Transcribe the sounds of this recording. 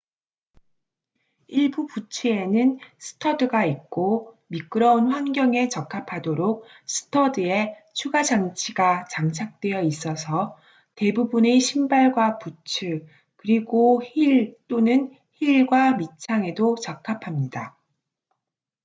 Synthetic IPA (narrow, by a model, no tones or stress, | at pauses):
iɭbuput͡ɕʰie̞nɯnsʰɯ̥tʰʌdɯɡaik̚k͈o | mik͈ɯɾʌunɸwanɡʲjʌŋe̞t͡ɕʌkʰːapʰadoɾok̚ | sʰɯ̥tʰʌdɯe̞ | t͡ɕʰuɡad͡ʑaŋt͡ɕʰiɡat͡ɕaŋt͡ɕʰak̚t͈we̞jʌis͈ʌsʰʌ | te̞bubune̞ɕʰimbaɭɡwaput͡ɕʰɯ | kɯɾiɡoçiɭt͈onɯn | çiɭɡwamit͡ɕʰaŋe̞dot͡ɕʌkʰapʰamɲida